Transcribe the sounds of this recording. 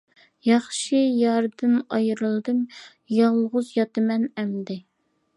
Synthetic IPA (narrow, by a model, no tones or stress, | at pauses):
jɑχʃɪjɑɾd̪ɨnɑjɨɾɨlˠd̪ɨm | jɑlˠʁʊzjɑt̪ɨmɛnɛmd̪ɪ